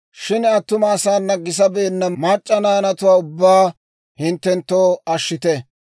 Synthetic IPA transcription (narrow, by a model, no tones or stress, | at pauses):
ʃɪnɐt̪ːʊmɐːsaːnːɐɡːɪs̬ɐbeːnːɐmaːt͡ʃʼːɐnɐjɐnɐt̪ʊwaːʊbːaː | hɪnt̪ːɛnt̪ːoːɐʃːɪt̪ɛ